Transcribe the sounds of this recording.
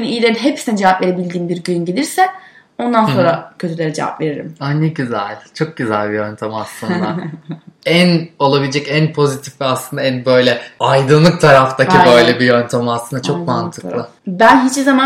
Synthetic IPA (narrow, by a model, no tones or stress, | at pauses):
nyijlʲeɾinɦepsi̥nɛd͡ʒevapve̞ɾebilʲd̪iːmbiɾɟynɟelʲiɾsɛ | o̞nd̪ano̞nɾacʰøt̪ʰylʲe̞ɾɛd͡ʒeva̰pve̞ɾiɾḭmanːɛɟyzælʲt͡ʃʰo̞k̚ɟyzælʲbijønt̪ʰamiaslˠɯnd̪a̰ | æno̞lˠabilʲed͡ʒɛcænpʰo̞zit̪ʰifvɛaslˠɯnd̪aænbø̞jlʲɛajd̪ɯnlˠɯk̚t̪ʰaɾaft̪ʰaibøjlʲɛbijønt̪ʰamaslɯnd̪at͡ʃʰo̞kmant̪ʰɯ̥k̪ˠɯ | bænɦit͡ʃbizama